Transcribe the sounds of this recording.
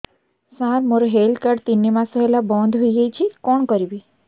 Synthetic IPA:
saɾmoɾeɦelkəɖt̪inːimãsəɦelabɔ̃nd̪ʱɦoiɡajt͡ʃʰikɔɳkəɾibi

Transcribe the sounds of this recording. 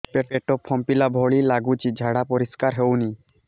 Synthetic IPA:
peʈeʈɔpʰːɔmpilabʱɔɭilaɡut͡ʃid͡ʒʱaɽapɔɾiskaɾɦewni

